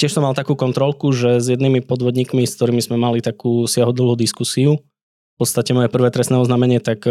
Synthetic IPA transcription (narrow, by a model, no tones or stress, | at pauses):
cɪɛʃsɔmalˠt̪akuːkɔnt̪ɾɔlkuʒɛzjɛd̪nimipɔd̪ʋɔd̪ɲiːkmiskt̪ɔɾiːmizmɛmalit̪akuːsɪaɦɔd̪l̩ˠɦud̪iskusiu | fpɔt̪st̪acɛmɔjɛpr̩ʋɛːt̪ɾɛsnɛːɔznaːmɛɲɪɛt̪ak